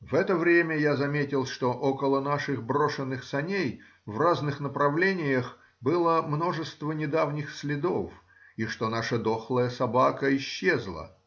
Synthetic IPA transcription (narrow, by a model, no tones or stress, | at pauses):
vɛt̪əvɾʲemʲəjazɐmʲetʲɪlˠʂt̪o̞ʔokəlˠənaʂɨɣbɾo̞ʂɨnːɨxsɐnʲej | vraznɨxnəpɾɐvlʲenʲɪjəx | bɨlˠəmno̞ʐɨst̪vənʲɪd̪avnʲɪxsʲlʲɪd̪o̞f | iʂt̪onaʂəd̪oxlˠəjəsɐbakəɪɕːezlˠə̰